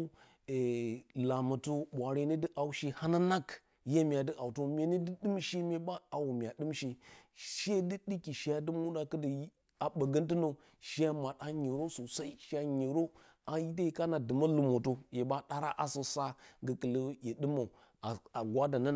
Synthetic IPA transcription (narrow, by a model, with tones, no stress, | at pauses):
e˨la˨ma˨to˦ɓʷa˨ɾe˦ni˦di˦ʔa˨u˦ʃi˦ha˦na˦na˦k | je˦mʲ˨a˨də˦ʔa˨u˨to˦mʲe˨ni˦di˦ɗɨ˦mʃe˦mʲe˦ba˦a˨wu˨mʲ˨a˨ɗɨ˦mʃi˦ʃe˦di˦ɗi˦ki˨ʃa˦dɨ˦mu˦da˨kə˦də˨j | a˨ɓə˨ɡə˦nti˦no˨ | ʃi˦a˦ma˨ɗa˦ɲe˨ɾo˦so˨sa˦i˦ʃa˦ɲe˨ɾo˦ | a˨ji˦da˦ji˨ka˦na˨dɨ˨ma˦lu˨mo˨to˦je˨ba˦ɗa˦ɾa˦ʔa˦so˨sa˦ɡə˨kə˨lə˦je˨ɗɨ˦ma˨ | a˨a˨ɡʷa˦da˨nə˦n˨